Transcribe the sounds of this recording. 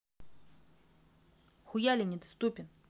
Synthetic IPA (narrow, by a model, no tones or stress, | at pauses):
xʊjalʲɪnʲɪd̪ɐst̪upʲɪn